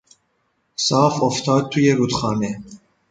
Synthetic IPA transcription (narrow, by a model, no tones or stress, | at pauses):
sɑːfoft̪ʰɑːd̪̚t̪ʰːujeɾuːt̪xɑːnɛ